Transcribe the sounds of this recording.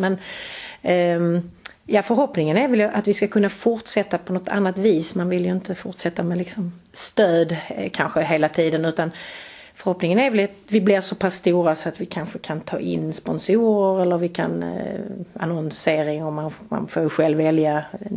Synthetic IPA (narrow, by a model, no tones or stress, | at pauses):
mɛn | jɑːfəɾɦɔpnɪŋənæɾvɛljɵʔat̪vɪskakʰɵnːafʊɾʈsɛt̪ːapʰɔnɔt̪ːʰa̰nːat̪viːsmanvɪljɵɪnt̪əfʊɾʈʂɛt̪ːamɛlɪksɔm | st̪øːd̪kʰanɧəɦeːlat̪ʰiːd̪ənʉ̟ːt̪an | fœɾhɔpnɪŋənæɾvɛlat̪vɪblɪɾsɔpʰasːt̪uːɾasɔat̪vɪkʰanɧəkʰant̪ʰɑ̰ːʔɪ̰nːspɔnsuːɾəɾɛlːəɾvɪkʰa̰n | a̰nɔnseːɾɪŋɔmːanma̰nfoːɾjɧɛlvːɛlja